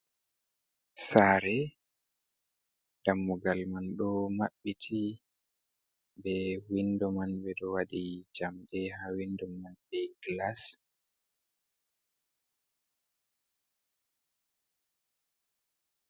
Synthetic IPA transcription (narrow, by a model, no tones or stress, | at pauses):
saːɾɛ | d̥amːuɡalmanɗɔmaɓːitʰi | bɛwindɔmanbɛɗɔwaɗid͡ʒamdɛhawindɔmanbɛɡlas